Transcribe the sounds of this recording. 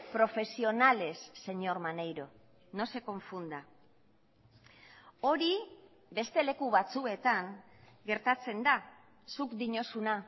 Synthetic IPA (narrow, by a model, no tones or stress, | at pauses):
pɾo̞fe̞sio̞nale̞sːe̞ɲo̞ɾmanejɾo̞ | no̞se̞ko̞ɱfund̪a | o̞ɾi | be̞st̪e̞le̞kuβat͡sue̞t̪aŋɡe̞ɾt̪at͡se̞nd̪a | sukd̪iɲo̞suna